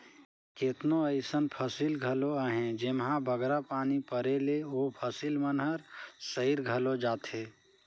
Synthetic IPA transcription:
ket̪noəɪsənpʰəsiːlɡʱəloaɦẽd͡ʒɪmɦãbʱəɡɾapaːnipəɾeleopʰəsiːlmənɦəɾsəiɾɡʱəlod͡ʒaːt̪ɦeː

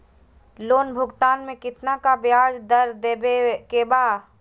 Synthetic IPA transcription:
loːnbʱʊɡt̪aːnmẽkɪt̪nakabɪaːd͡ʒd̪ɐɾd̪ebekeːba

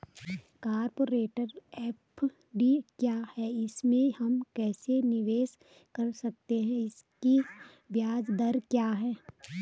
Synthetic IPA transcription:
kaːɾpoːɾeːʈəɾɛːp | ɖikjaːhɛɪsmẽhɐmkɛːsenɪʋeːs | kɐɾsɐk̚t̪eɦɛ̃ɪski | bjaːd͡ʒd̪ɐɾkjaːɦɛː

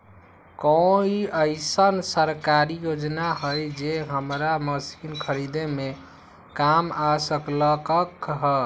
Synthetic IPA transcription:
kɔ̃iəɪsənsəɾkaɾijod͡ʒnaɦəjd͡ʒeɦəmɾaməsinkʰəɾid̪eme | kamasəkləkəkɦə

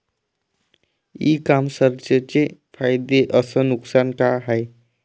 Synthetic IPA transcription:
ikamsəɾt͡ɕət͡sefʰajd̪eʔəsənuksankaɦaj

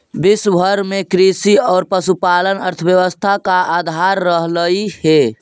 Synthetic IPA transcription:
bɪsbʱəɾmekɾisiɔːɾpəsupalənəɾt̪ʰəbjəʋəst̪ʰakaad̪ʱaɾːəɦləihe

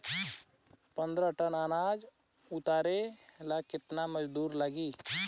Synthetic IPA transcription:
pə̃nd̪ɾəʈənaːnaːd͡ʒ | ʊt̪aːɾelakɪt̪naməd͡ʒd̪uːɾlaɡiː

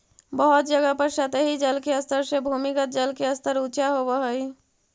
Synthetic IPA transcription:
bəɦʊt̪̚d͡ʒəɡapəɾsət̪eɦid͡ʒəlkeəst̪əɾsebʱumikət̪̚d͡ʒəlkeəst̪əɾut͡ʃaɦobəɦəi

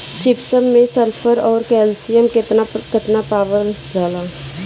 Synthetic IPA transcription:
t͡ʃɪpsəmːẽsəɾpʰəɾɔːɾkɛːlsijəmkɪt̪nakɪt̪napaːʋəl | d͡ʒaːlãː

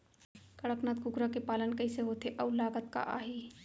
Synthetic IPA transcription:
kɐɽəknaːt̪̚kʊɡɾakepaːlənkɐiseɦoːt̪eʔɐʋlaːɡət̪ka̰ʔa̰ːɦiː

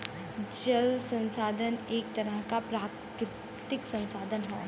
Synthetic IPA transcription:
d͡ʒəlsə̃nsaːd̪ʱəneːk̚t̪ɐɾəɦkapɾaː | ɾɪ | t̪ɪksɐ̃nsaːd̪ʱənɦɛ̰ː

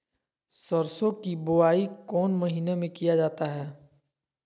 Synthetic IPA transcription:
sɐɾsõkibʊaːikɔːnmɐɦiːnemẽkijad͡ʒaːt̪aɦɛː

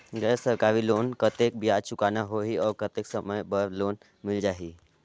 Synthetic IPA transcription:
ɡɛːsəɾkaːɾiloːnkət̪ek̚bijaːd̪t͡ʃʊkanaɦoɦiɔːɾkət̪eksəməjbəɾloːn | mɪld͡ʒaːɦi

